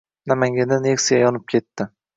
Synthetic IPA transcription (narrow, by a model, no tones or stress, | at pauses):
namaŋɡʲand̪anexsɪjajɒnɪp̚kʲʰe̞t̪ːɪ